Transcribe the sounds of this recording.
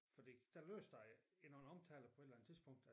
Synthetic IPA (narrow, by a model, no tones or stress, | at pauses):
fɒd̥ḭd̥ælø̰ːsd̥ɑ̈ɪe̝nɒn̩ɒ̽mt͡sʰɛ̰ːlɐpʰɒ̽e̥lænə̥t͡sʰiðˠsb̥ɔ̽ŋ̰d̥æ